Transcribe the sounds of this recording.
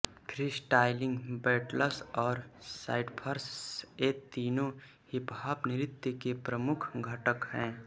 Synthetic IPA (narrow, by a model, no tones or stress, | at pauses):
kʰɾisʈaːɪlɪ̃ŋɡbɛːʈləsɔːɾsa̰ːɪɖpʰəɾseːt̪iːnõ | hɪpɦaːbnɪɾɪt̪jəkepɾəmʊkʰɡʱəʈəkɦɛ̃ː